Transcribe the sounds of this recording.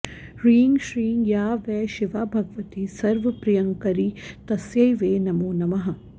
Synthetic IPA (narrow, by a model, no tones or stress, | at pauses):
ɾĩːŋɡʃɾiːŋɡjaːʋɛːʃɪʋaːbʱɐɡəʋɐt̪iːsɐɾʋɐpɾijɐ̃ŋkɐɾiːt̪ɐsjɐjʋeːnɐmoːnɐmɐɦɐ̃